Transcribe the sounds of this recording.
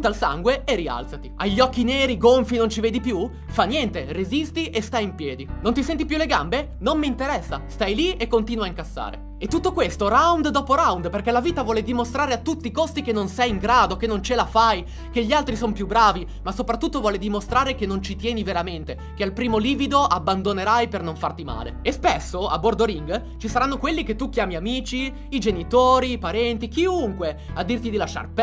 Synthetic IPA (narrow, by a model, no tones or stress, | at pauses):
t̪alsa̰ŋɡweeria̰lt̪sat̪iaʎːɔkːineːɾiɡoɱfinont͡ʃiveːd̪ipju | fanjɛnt̪erezist̪iʔest̪ajimpjɛːd̪inont̪isɛnt̪ipjuleɡambe | nommiint̪eɾɛsːast̪ajliekːont̪iːnwaiŋkasːa̰ːɾḛ | et̪ːut̪ːokwest̪oɾawnd̪d̪ɔːpoɾawnd̪perkɛlaviːt̪avwɔːled̪imost̪ɾaːɾeat̪ːut̪ːikost̪ik̟enːonsɛjiŋɡɾaːd̪okenːont͡ʃelafaj | keʎːialt̪ɾisonpjubɾaːvi | masopɾat̪ːut̪ːovwɔːled̪imost̪ɾaːɾekenːont͡ʃit̪jɛːniveɾament̪e | kealpɾiːmoliːvid̪oʔabːand̪oneɾajpernoɱfart̪ima̰ːlḛespesːoa̰bord̪oɾiŋɡ | t͡ʃisaɾanːokwelːiket̪ːuk̟jaːmiamiːt͡ʃiː | d͡ʒenit̪oːɾipaɾɛnt̪ik̟iuŋkwe | ad̪ːirt̪id̪ilaʃːa̰rp